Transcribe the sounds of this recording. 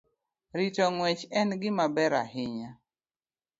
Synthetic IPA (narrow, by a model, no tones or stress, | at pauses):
ɾɪt͡ʃɔŋwɛt͡ʃɛnɡɪmabɛɾa̰ɦɪɲa